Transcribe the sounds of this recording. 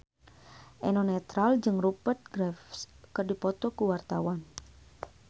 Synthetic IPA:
ʔɛnonɛt̪ɾald͡ʒɨŋrupərt̪̚ɡɾɛfskɨrdipɔt̪ɔkuwart̪awan

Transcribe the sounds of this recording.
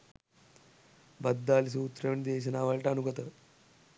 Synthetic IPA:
bɐd̪ːaːlis̬uut̪ːɾɐʋɳid̪eːɕ̬ɐnaːʋɐɭʈɐnuɡɐt̪ə

